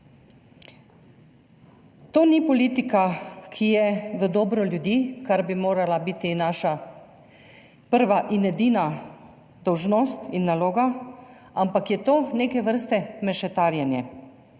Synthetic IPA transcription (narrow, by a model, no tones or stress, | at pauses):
t̪oːnipɔliːt̪ikakʰijɛʋəd̪ɔːbɾɔljud̪jiːkaɾbimoːɾalabiːt̪inaːʃa | pəɾʋaʔinɛd̪iːna | d̪ɔwʒnoːst̪inːaloːɡa | ampakjɛt̪oːneːkɛʋəɾst̪ɛmɛʃɛt̪aːɾjɛnjɛ